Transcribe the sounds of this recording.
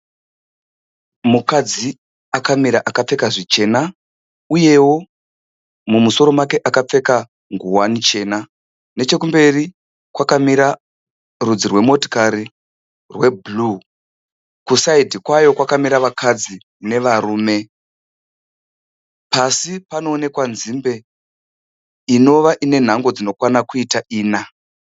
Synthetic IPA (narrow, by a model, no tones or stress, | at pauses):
mukad͡zi | akamiɾaʔakap͡fe̞kaʐit͡ʃe̞na | uje̞wo̞ | mumuso̞ɾo̞make̞ʔakap͡fe̞ka | ŋɡuwanit͡ʃe̞ːna | ne̞t͡ʃe̞kumbe̞ri | kwakamiɾa | rud͡zirwe̞mo̞ti̥kaɾi | rwe̞blu | kusaidʱikwajo̞kwakamiɾaʋakʰad͡zi | ne̞ʋaɾuːme̞ | pasipano̞ːne̞kwanzimbe̞ | ino̞ʋaʔine̞n̤aŋɡo̞d͡zino̞kwanakuitaʔiːna